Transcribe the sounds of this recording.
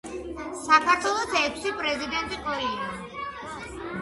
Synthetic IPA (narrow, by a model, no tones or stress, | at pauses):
sakʰaɾt̪ʰwɛlˠɔsɛkʷʰsipʼɾɛzid̪ɛnt̪ʼiqʼɔɾɛia